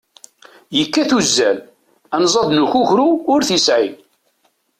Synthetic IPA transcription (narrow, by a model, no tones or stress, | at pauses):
jəkːæθuzːæl | ænzˤɑd̪ˤnuçuçɾuʊɾθisʕḭ